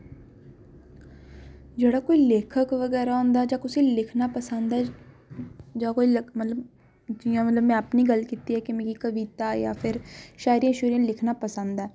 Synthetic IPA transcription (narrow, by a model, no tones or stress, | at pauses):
d͡ʒeːɽaːkoːiːleːkʰəkʋəɡɛːɾaːõːnd̪aːd͡ʒãːkʊsiːlɪkʰnaːpəsənd̪a | d͡ʒãːkoilmət̪lə | d͡ʒɪjãːmət̪ləbmɛ̃ːəpniːɡəlkiːt̪iːɛːkɪmẽːɡiːkəʋiːt̪aːja̰ːpʰɪɾʃaːjɾijãːʃʊɾijãːlɪkʰnaːpəsə̃nd̪aɛː